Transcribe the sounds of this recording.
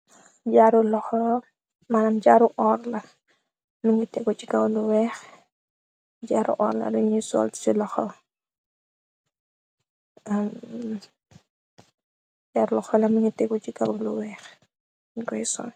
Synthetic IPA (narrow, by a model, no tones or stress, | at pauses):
ɟaɾulɔxɔ | manɐmɟaːɾuʔɔːɾlɐ | muɲitɛɡɔt͡ʃiɡawluwɛːx | ɟaːɾṵʔɔ̰ːɾlɐ̰duɲisɔ̰lt͡ʃilɔxɔ̰ | am | ɟaɾulɔxɔlɐmuɲitɛɡɔt͡ʃiɡawluwɛːx | ɡɔjsɔ̰n